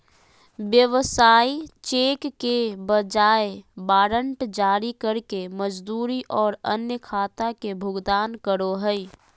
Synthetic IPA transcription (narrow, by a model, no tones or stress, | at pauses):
ʋjəʋsaːit͡ʃeːkkebəd͡ʒaːebaːɾə̃ɳʈd͡ʒaːɾikəɾkeməd͡ʒd̪uːɾiʔɔːɾənjəkʰaːt̪akebʱʊɡd̪aːnkəɾoɦəi